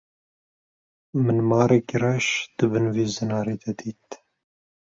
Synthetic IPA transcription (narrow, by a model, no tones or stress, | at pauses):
mɨnmɑːɾekrɛʃd̪̥ɨbɨnveːzɨnɑːɾeːd̪ɛd̪iːt̪